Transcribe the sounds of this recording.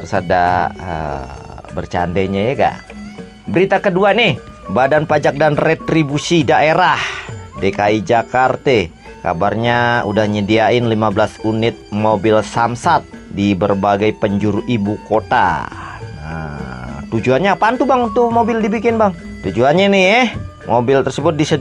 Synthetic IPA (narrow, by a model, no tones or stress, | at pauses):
ɾusada̰ə̰ | bərt͡ʃa̰ndɛɲajɛɡa̰ʔ | bəɾit̪akəduanɪh | badanpad͡ʒak̚danret̪ɾibusidaʔeɾahdekaid͡ʒakart̪e | ka̰barɲaṵdahɲədiaɪnlimablasunɪt̪̚mobɪlsamsat̪̚dibərbaɡajpəɲd͡ʒuɾuʔibukot̪a̰ | ə̰t̪ud͡ʒuanɲapant̪ubaŋunt̪umobɪldibikɪnbaŋ | t̪ud͡ʒuanɲanɪjɛ | mʔobɪlt̪ərsəbʊt̪̚disə